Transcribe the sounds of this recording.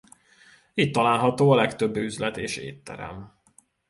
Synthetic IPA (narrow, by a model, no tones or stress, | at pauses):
iːt̪ːɒlaːlɦɒt̪oːɒlɛkt̪øbːyzlɛt̪eːʃḛːt̪ːɛ̰ɾɛ̰m